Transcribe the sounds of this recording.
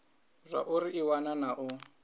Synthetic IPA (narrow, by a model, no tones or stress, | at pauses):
zʷa̰ʔuɾiʔiwananaʔʊ